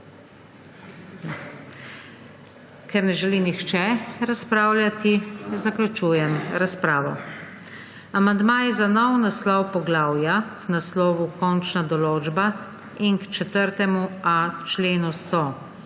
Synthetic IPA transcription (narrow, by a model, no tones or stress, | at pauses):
kɛɾnɛʒɛlinixt͡ʃɛɾaspɾaːwlʲjat̪izaklʲut͡ʃuːjɛmɾaspɾaːʋɔ̰ | amand̪maːjɛzanɔwnaslɔwpɔɡlaːwjaknaslɔːʋukɔnt͡ʃnad̪ɔloːd͡ʒba | inkt͡ʃɛt̪əɾt̪ɛmuat͡ʃleːnusɔ